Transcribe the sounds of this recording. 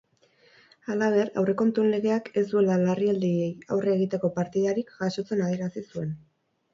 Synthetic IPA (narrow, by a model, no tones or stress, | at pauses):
alaβ̞e̞ɾa̰wre̞ko̞nt̪unle̞ɣe̞ake̞zd̪ue̞lalariald̪iejawreːɣ̞it̪e̞ko̞paɾt̪iðaɾikɡaso̞t͡se̞nað̞ieɾasisue̞n